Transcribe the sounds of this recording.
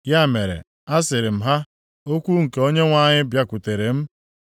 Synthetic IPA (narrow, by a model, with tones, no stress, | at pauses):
ja˦˨me˨ɾḛ˨ | a˦sɪ˨ɾɪ˨m̩˨ɦa˦ | o˦kʷu˦ŋ̩˨ke˨o˦ɲe˦ŋʷa˦˨ɲɪ˦bja˦kʷʊ˨te˨ɾe˨m̩˦